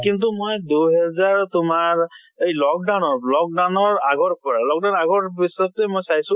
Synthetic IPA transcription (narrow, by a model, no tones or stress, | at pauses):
kint̪̬umojd̪uɦɛzaɹt̪umaɹ | ejlɔk̚ɖawnɔɹlɔk̚ɖanɔɹaɡɔɹpɔɹalɔk̚ɖawnaɡɔɹbisɔt̪emojsajsũ